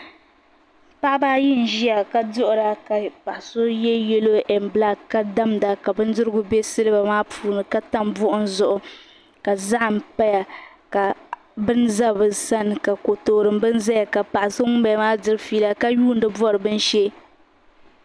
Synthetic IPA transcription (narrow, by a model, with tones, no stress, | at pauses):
pa˦ʔbaː˦jɪ˦˨n̩˨ʒi˦a˨ka˦dʊ˦ʔʊ˨ɾa˨ka˨pa˨ʔa˨so˦jɛ˦jɛ˦lo˦ʔɛ˨m˨bla˦ka˦da˦mda˨ka˨bɨ˦n˦dɨ˦ɾɨ˦ɡʊ˦bɛ˦sɨ˦lɨ˦ba˨maː˦pʰuː˨nɨ˨ka˦ta˦mbʊ˦ʔʊ˦n˦zʊ˦˨ʔʊ˨ | ka˨za˦ʔm̩˨pa˦ja˨ | ka˨ | bɨ˦n˦za˦bɨ˨sa˦n˨ka˨ko˨toː˨ɾɨ˨m˦bɨ˦n˦za˦ja˨ka˨pa˨ʔso˦ŋʊ˦mba˨˦maː˦dɨ˦ɾɨ˦fiː˦la˦ka˦juː˦n̩˦dɨ˦bɔ˦ɾɨ˨bɨ˦nʃɛ˦